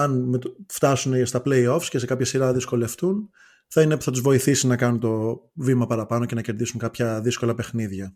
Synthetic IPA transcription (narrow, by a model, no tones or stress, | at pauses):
ɐnmet̪ft̪ɐsunest̪ɐple̞io̞fsce̞se̞kɐpçɐsiɾɐðisko̞le̞ft̪un | θɐinepu̥θɐt̪uzvo̞iθisinɐkɐnunt̪o̞vimɐpɐɾɐpɐno̞ce̞nɐce̞ɾðisuŋkɐpçɐðisko̞lɐpe̞xniðʝɐ